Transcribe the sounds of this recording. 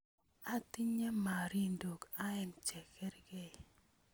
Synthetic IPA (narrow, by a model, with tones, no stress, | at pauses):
a˦ti˦ɲe˦ma˨ɾi˦ndo˨ka˦ɛ˦nt͡ʃɛ˨kɛ˦ɾɡɛ˨